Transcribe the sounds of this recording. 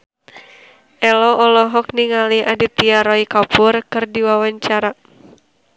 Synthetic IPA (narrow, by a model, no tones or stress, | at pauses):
ʔɛlɔʔɔlɔɦɔk̚niŋaliadit̪iaɾɔikapʊrkɨrdiwawaɲt͡ʃaɾa